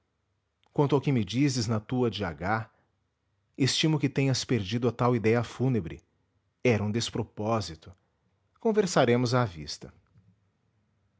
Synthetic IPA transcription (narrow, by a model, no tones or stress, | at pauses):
kwɐ̃nt̪ʊawkɪmɪd͡ʒizɪznɐt̪uɐd͡ʒiaɡa | est͡ʃĩmʊkɪt̪ẽɲɐspeɾd͡ʒid̪ʊɐt̪awid̪ɛjɐfunebɾɪ̰ | ɛɾɐũd̪espɾopɔzit̪ʊ | kõveɾsaɾẽmʊzaːvḭst̪ɐ